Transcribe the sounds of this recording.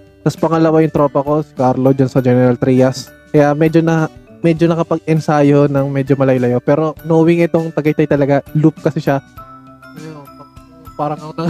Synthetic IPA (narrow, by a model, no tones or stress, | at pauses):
t̪ɐspɐŋɐlɐwajʊŋt̪ɾo̞ːpɐko̞sɐkaɾlod͡ʒansɐd͡ʒɛnɛɾɐlt̪ɾiːjɐs | kɐjamɛd͡ʒonɐmɛd͡ʒonɐkɐpɐɡ̚ɛnsajo̞nɐŋmɛd͡ʒomɐlɐjolɐjopɛːɾo̞nouwɪŋʔɪt̪oŋt̪ɐɡɐjt̪ɐjt̪ɐlɐɡalup̚kɐsɪʃa | ɐjopɐ | paːɾɐŋɐonɐ